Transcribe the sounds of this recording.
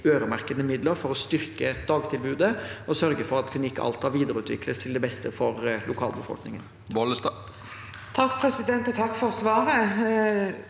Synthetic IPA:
øːɾəmæʁkəd̪əmɪd̪ləɾfɔɾɔst̪ʏɾkəɛtd̪ɑːɡt̪ʰɪlbʉːd̪əɔsœɾɡəfɔɾɑt̪kʰlɪnɪkːʔɑ̰lt̪hɑɾʋiːd̪əɾʉːt̪ʰʋɪ̰kʰləst̪ʰɪld̪ɛbɛst̪əfɔɾlʔʊkʰɑ̰ːlbəfɔ̰lknɪŋən | bɔləst̪ː | t̪ʰɑkːpʰɾɛsɪd̪ɛnt̪ɔt̪ʰɑkːfɔɾsʋɑːɾə

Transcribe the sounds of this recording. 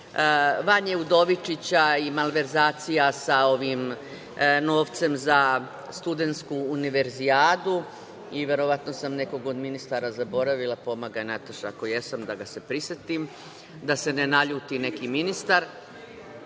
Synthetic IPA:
ʋaɲeud̪o̞ʋit͡ʃit͡ɕaimalʋe̞ɾzaːt̪sijasao̞ʋim | no̞ːʋt̪se̞mza | st̪ud̪e̞nt̪skuːniʋe̞ɾziaːd̪u | iʋje̞ɾo̞ʋat̪no̞samne̞ko̞ɡo̞d̪minist̪aɾazabo̞ɾaʋilˠapo̞maɡanat̪aʃaako̞je̞samd̪aɡase̞pɾiset̪im | d̪ase̞ne̞naʎuːt̪ine̞kiminist̪aɾ

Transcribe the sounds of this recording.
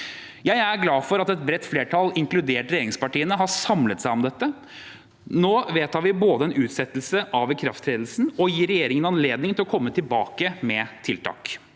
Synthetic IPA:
jæɪæɾɡlɑːfɔɾɑt̪ɛt̪̚bɾɛt̪ːfleːʈʰɑlɪŋklʉd̪eːʈɾɛjeːɾɪŋspɑʈiːənəɦɑsɑmlət̪sæɪɔmd̪ɛt̪ːə | noːʋeːt̪hɑːɾʋɪboːd̪əɛnʉːt̪sɛt̪ːəlsəʔɑʋkʰɾɑft̪ʰɾeːd̪l̩sn̩ɔjiːɾɛjeːɾɪŋənɑnleːd̪nɪŋt̪ɪlɔkʰɔmːət̪ʰɪlbɑːkəmɛt̪ʰɪlt̪ʰɑ̰ːk

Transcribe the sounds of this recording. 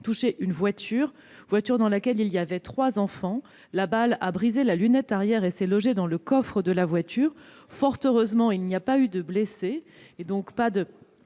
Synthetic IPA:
t̪uʃeʔynvwat̪ʰyʁ | vwat̪yʁd̪ɑ̃lakʲɛliliavɛt̪χwazɑ̃fɑ̃ | labalabʁizelalynɛt̪aʁjɛʁesɛlɔʒed̪ɑ̃ləkɔfχəd̪əlavwat̪yːʁ | fɔʁt̪øʁøzmɑ̃ilniapayd̪əbleseː | d̪ɔ̃kpad̪ə

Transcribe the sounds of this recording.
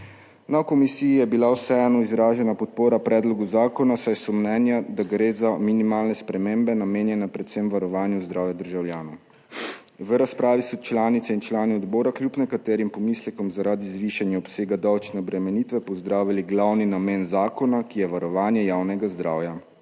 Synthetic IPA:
nawkɔmisijijɛbilawsɛːjanɔizɾaːʒɛnapɔt̪̚poːɾapɾɛːd̪lɔɡuzaːkɔnasajsɔmnɛːnjad̪aɡɾeːzaminimaːlnɛspɾɛmeːmbɛnameːnjɛnɛpɾɛt̪sɛmʋaɾɔʋaːnjuzd̪ɾaːwjad̪əɾʒawljaːnɔw | ʋəɾaspɾaːʋisɔt͡ʃlaːnit̪sɛint͡ʃlaːniɔd̪bɔːɾaklʲjupnɛkat̪ɛːɾimpɔmislɛkɔmzaɾaːd̪izʋiːʃanjaɔpseːɡad̪awt͡ʃnɛɔbɾɛmɛniːt̪ʋɛpɔzd̪ɾaːʋiliɡlawninameːnzaːkɔnakijɛʋaɾɔʋaːnjɛjaːwnɛɡazd̪ɾa̰ːwja

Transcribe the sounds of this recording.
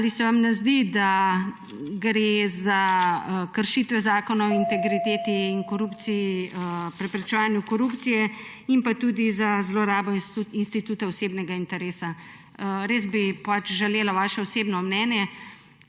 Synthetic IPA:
alisɛʋamnɛzd̪id̪a | ɡɾeza | kəɾʃit̪ʋɛzaːkɔnaɔint̪ɛɡɾit̪eːt̪iːnkɔɾupt̪siipɾɛpɾɛt͡ʃɛʋaːnjukɔɾupt̪sijɛ | impat̪ud̪izazlɔɾaːbɔinst̪it̪uːt̪ɛɔseːbnɛɡaint̪ɛɾeːsa | ɾeːzbipat͡ʃʒɛleːlaʋaːʃɛɔseːbnɔmnɛːnjɛ

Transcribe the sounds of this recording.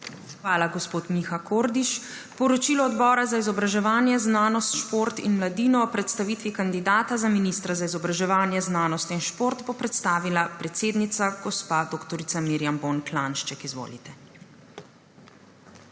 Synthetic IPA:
xʋaːlaɡɔspoːt̪mixakoːɾd̪iʃ | pɔɾɔt͡ʃilɔːd̪bɔːɾazaizɔbɾaʒɛʋaːnjɛznaːnɔst̪ʃpoɾt̪ḭnmlad̪iːnɔːpɾɛt̪st̪aʋiːt̪ʋikand̪id̪aːt̪azaminist̪ɾazaizɔbɾaʒɛʋaːnjɛznaːnɔst̪inʃpoːɾt̪bɔpɾɛt̪st̪aːʋilapɾɛt̪seːd̪nit̪saɡ̥ɔspad̪oːkt̪ɔɾit̪samiɾjambonklanʃt͡ʃɛkizʋo̰ːlḭt̪ɛ

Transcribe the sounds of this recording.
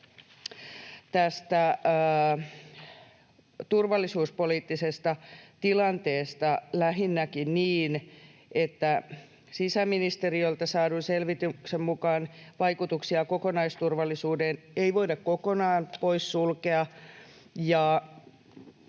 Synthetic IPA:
t̪æst̪æ | t̪urʋɑlːisuːspo̞liːt̪ːisest̪ɑt̪ilɑnt̪e̞ːst̪ɑlæɦinːækinniːnet̪ːæ | sisæminist̪eriolt̪ɑsɑːdunselʋit̪yksemmukɑːnʋɑjkut̪uksiɑko̞konɑist̪urʋɑlːisuːden | ejʋo̞idɑkko̞konɑːnpo̞issulke̞ɑ | jɑ

